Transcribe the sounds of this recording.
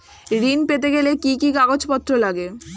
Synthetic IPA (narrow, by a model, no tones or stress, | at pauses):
ɾinpet̪̬eɡelekikikaɡod͡ʑpɔt̪ːɾolaɡe